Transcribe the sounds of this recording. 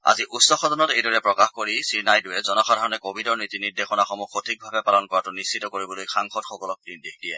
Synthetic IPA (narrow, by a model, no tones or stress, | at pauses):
a̰ziʔutsɔxɔdɔnɔtejdɔɹɛpɹɔkaxkoɹisinajdujɛzɔnɔxʰadʱaɹɔnɛkobʱidɔɹnitiniɹdexɔnaxɔmuxʰotʰik̚bʱabɛpalɔnkɔɹatʊnisːitɔkoɹibɔlojxaŋxɔtxɔkɔlɔk̚pɹindekʰdijɛ